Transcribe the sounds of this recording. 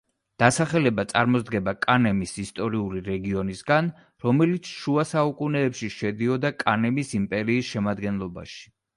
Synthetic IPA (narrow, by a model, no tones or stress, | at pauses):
d̪̥asaχɛlɛbat̪sʼa̰ɾmɔzd̪ɡɛbakʼanɛmisist̪ʼɔɾiuliɾɛɡiɔnisɡan | ɾɔmɛlit̪sʰʃuasaukʼunɛːpʃiʃɛd̪iɔd̪akʼanɛmisimpʼɛɾiːsʃɛmad̪ɡɛnlˠɔba̰ʃi̥